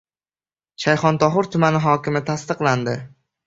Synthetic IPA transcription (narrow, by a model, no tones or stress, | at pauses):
ʃajχɒnt̪ʰɒɦʊɾt̪ʰʊmanɪɦɒkʲɪmɪt̪ʰast̪ɨqlˠand̪ɪ